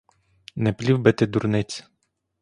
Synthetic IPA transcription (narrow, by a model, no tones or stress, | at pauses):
nɛplʲivbɛt̪ɛd̪uɾnɛsʲ